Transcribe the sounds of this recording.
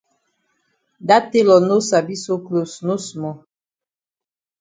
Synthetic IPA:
da˦te˦lɔ˨no˦sa˨bi˦so˦klo˨sno˦smɔ˨

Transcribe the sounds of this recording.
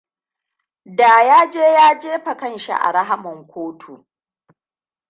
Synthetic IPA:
daː˨jaː˦d͡ʒeː˦jaː˦d͡ʒeː˦ɸɐ˨kɐ˦˨nʃḭ˦˨ʔa̰˨ɽɐ˦ɦa˦mɐ˨ŋkʷʰoː˦tʰu˨

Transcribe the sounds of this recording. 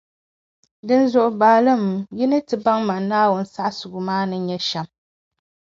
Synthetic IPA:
dɨ˦nzʊ˨ʔʊ˨baː˨lɨ˦mji˦nɨ˦tɨ˨ba˦ŋma˨nːaː˦wʊ˦n̩˦sa˦ʔsʊ˨ɡʊ˨maː˦nɨ˦ɲɛ˦ʃɛ˦m

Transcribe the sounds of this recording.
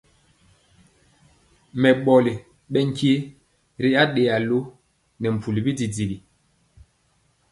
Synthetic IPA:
mɛ˨ɓɔ˨li˨ | ɓɛ˦ŋ˦ki˦ | ɾi˦a˦ɗe˨a˨lo˦ | nɛ˨m̩˨pʰu˨li˨bi˦di˨d͡zi˨li˨

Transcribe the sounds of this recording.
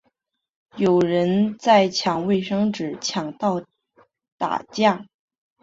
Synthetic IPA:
jo˨˩ʊɻə˧˥nt͡sa˥˩ɪt͡ɕʰjɑ˨˩ŋwe˥˩˧ɪʂɤ˥ŋʈ͡ʂɻ̩˨˩t͡ɕʰjɑ˨˩ŋt̪ɑ˥˩ʊ | t̪a̰˨˩t͡ɕja˥˩

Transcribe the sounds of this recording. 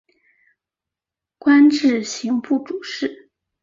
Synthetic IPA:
kwa˥nʈ͡ʂɻ̩˥˩ɕi˧˥ŋpu˥˩ʈ͡ʂu˨˩ʂɻ̩˥˩

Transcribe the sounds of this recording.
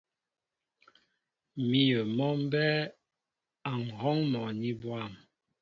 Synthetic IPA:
mi˦jə˨mɔ˦m˦bɛ˦ | a˨ŋ̩˨hɔ˦ŋmɔ˨ni˦bwa˦˨m

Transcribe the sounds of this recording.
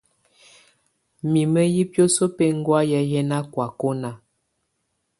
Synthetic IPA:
mi˨mə˦ji˦pjo˦so˦pe˦ŋ˦ɡwa˦jɛ˦jɛ˦na˦kwa˨ko˦na˨

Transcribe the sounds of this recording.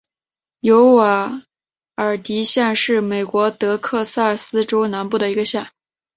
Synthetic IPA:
jo˧˥ʊwa˧˨˩ | ə˞˨˩t̪i˧˥ɕjɛ˥˧nʂɻ̩˥˩me˨˩ɪkwɔ˧˥t̪ɤ˧˥kʰɤ˥˧sa˥˩sɹ̩˥ʈ͡ʂo˥ʊna˧˥npu˥˩d̪ə˩i˧˥ɡə˧ɕja˥˩n

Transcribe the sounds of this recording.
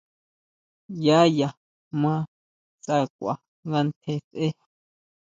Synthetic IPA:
ja˦ja˨ | mã˧ | t͡sʼa˧kʷa̰˨ | ŋɡa˧nt̪ʰe˧t͡sʔe˦

